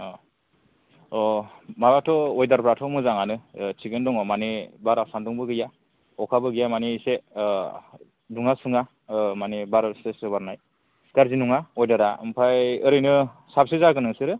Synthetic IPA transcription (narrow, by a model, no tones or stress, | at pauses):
ɔmabatʰɔːjdaɾpʰɾatʰɔmɯzaŋanɯt͡ʃʰiɡɯndɔŋɔmanebaɾasandɔŋbɯɡɯja | ɔkʰabɯɡɯjamanise | duŋasuŋa | manebaɾsesɯbaɾnaj | ɡ̥aɾzinuŋaɔjdaɾaɯ̰mpʰajɯɾɯjnɯ | sap̚sɯzaɡɯnɯŋsɯɾɯ